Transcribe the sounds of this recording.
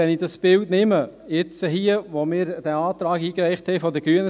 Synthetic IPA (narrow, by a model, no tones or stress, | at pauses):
ɛnɪdɑsb̥ɪltnɪmə | jɪt͡səɦiəʋomɪːɾd̥æɑːt̪ɾɑːkiːkræɪχthɛɪfɔdəɡ̥ɾyənə